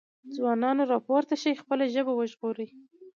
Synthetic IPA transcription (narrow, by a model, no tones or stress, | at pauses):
d͡zwɑnɑnoɾɑpoɾt̪aʃajxpəlaʒəbawəʒɣoɾəj